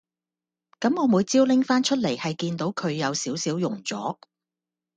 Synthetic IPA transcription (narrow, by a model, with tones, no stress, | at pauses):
kɐ˨˥mɔː˨˧muː˨˧jt͡siː˥wlɪ˥ŋfaː˥nt͡ʃʰɵ˥t̚le˨˩jhɐ˨jkiː˧nt̪o˨˥wkʰɵ˨˧ɥjɐ˨˧wsiː˨˥wsiː˨˥wjʊ˨˩ŋt͡sɔ̰ː˨˥